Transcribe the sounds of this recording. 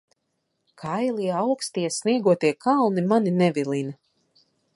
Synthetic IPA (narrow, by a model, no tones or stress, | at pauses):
kʰajliawkst̪iɛsniɛɡuɔt̪iɛkʰalˠnimaninɛvilˠina